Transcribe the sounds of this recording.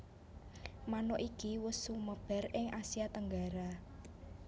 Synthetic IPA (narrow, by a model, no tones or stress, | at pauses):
manɔʔikiwʊsːuməb̥ɛ̤rɪŋʔasiat̪əŋɡaɾa